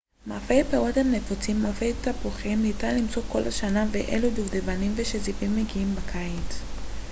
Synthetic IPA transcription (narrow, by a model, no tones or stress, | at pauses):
mafejpewothanefot͡simːafejtapuχimnitanlimt͡soko̞laʃanaveʔḛluduvdevanimveʃezivimːeɡiimbakʰajit